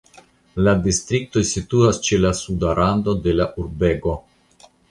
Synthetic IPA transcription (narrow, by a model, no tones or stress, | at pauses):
ladist̪ɾik̚to̞jsituast͡ʃe̞lasudaɾando̞de̞laʔuɾbe̞ɡo̞